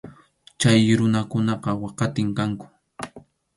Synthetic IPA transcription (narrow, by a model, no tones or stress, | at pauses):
t͡ʃajɾʊnakʊnɑqɑwɑqɑt̪ɪŋkaŋkʊ̥